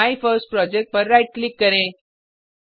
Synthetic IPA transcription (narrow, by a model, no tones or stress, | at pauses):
ajfəɾsʈ̚pɾɔd͡ʑek̚ʈ̚pəɾːajʈ̚klikːəɾẽ